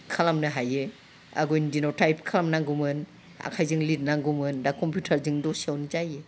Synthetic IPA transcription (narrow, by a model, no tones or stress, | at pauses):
kʰalamnɯɦaje | a̰ɡɔjndinotajpkʰalamnaŋɡumɯn | a̰kʰajzɯŋlit̚naŋɡumɯndakɔmpjutʰɐɾzɯŋdɔsiawnizaje